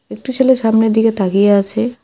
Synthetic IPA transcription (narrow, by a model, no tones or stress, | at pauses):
ek̚ʈut͡ɕʰeleʃamneɾd̪iket̪ʰakijeat͡ɕʰe